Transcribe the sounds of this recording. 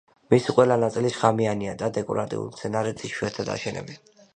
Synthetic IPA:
misiqʼwɛlanat̪sʼiliʃχamianiad̪ad̪ɛkʼɔ̰ɾat̪ʼḭṵlˠmt̪sʰɛnaɾɛt̪ʰʼiʃwuɛɾt̪ʰad̪a̰ʃɛnɛ̰bɛn

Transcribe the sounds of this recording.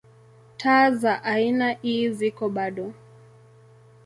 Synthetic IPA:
tʰaːzaʔainaʔiːzikɔɓaɗɔ

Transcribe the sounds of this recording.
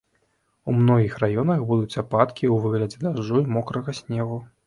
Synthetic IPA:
umnɔɣʲixrajɔnɐxbud̪ut͡sʲapat̪kʲiuvɨɣlʲɐd͡zʲɛd̪aʐːuimɔkɾɐɣɐsʲnʲɛɣu

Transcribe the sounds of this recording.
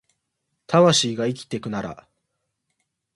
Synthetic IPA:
t̪ʰaβaɕiːɡaikʲi̥t̪e̞kɯ̟naɾa̰

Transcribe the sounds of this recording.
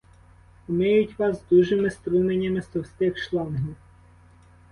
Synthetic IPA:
ʊmɪjʊtʲʋɑsd̪uʒɪmɪst̪ɾumenʲːɐmɪst̪ɔwsʲt̪ɪxʃlˠɑnɦʲiw

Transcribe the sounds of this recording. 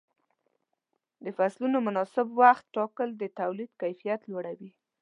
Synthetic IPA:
d̪əfaslunomʊnɑsɪbwaxt̪ːɑkəld̪ət̪awlid̪kajfijat̪lwaɽawi

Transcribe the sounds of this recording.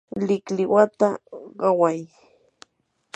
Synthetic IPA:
lɪklɪwat̪aɢɑwaj

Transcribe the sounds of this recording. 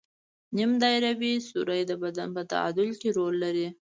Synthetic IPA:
nimd̪ɑjɾabisuɾəjd̪əbad̪anpət̪a̰a̰d̪ʊlkeɾolːaɾi

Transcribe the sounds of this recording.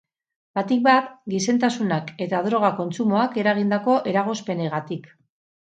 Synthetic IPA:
b̥at̪ik̚bat̪ɡise̞nt̪asunake̞t̪aðɾo̞ɣ̞ako̞nt͡sumo̞ake̞ɾaɣ̞ind̪ako̞ʔeɾaɣ̞o̞spe̞ne̞ɣat̪ik

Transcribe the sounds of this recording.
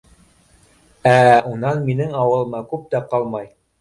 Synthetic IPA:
æunɑnminɘŋɑwɤ̆lˠɤ̆mɑkʉp̚t̪æqɑlˠmɑj

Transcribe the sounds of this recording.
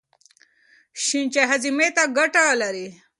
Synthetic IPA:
ɕint͡ɕeɦɐzimet̪aɡɐʈalaɾi

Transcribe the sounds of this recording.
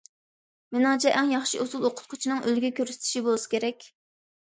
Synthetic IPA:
menɑŋt͡ʃʰɛʔɛŋjɑχʃiʔozulˠoqʰʊ̥t̪̚qʰʊ̥t͡ʃʰinɨŋʔølɡʲɛkʲøɾsɪ̥t̪ʰʃibolˠɨsɨ̥kʲʰeɾɛkʲ

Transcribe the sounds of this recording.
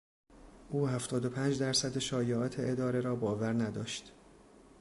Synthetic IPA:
ʔuːhæft̪ʰɒːd̪opʰæːnd͡ʒd̪æɾsæd̪eʃɒːjeʔɒːt̪ʰeʔed̪ɒːɾe̞ɾɒːbɒːvæɾnæd̪ɒːʃt̪

